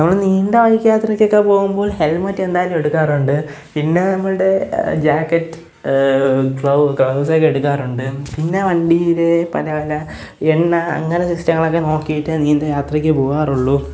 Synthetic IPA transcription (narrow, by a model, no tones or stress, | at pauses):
nɐmːɐɭniːnd̪eʋɐjkːjaːt̪rɐkʲːokːepo̞ːɣumboːlhe̞lmɐtːe̞nd̪aːjlume̞ɽukːaːruɳɖɨ | pinːe̞nɐmːɐɭɨɽe̞d͡ʑaːkːɐtːɨ̥ | kɭokɭɐwsokːeeɽukːaːruɳɖɨpinːe̞ʋɐɳɖijɾe̞pɐlɐʋɐlɐ | eɳːɐ̰ːŋːɐnɐsɐkstɐŋːɐɭo̞kːeno̞ːkːijiʈːɨniːnd̪ejaːt̪rɐkʲːɨpoːɣaːruɭːu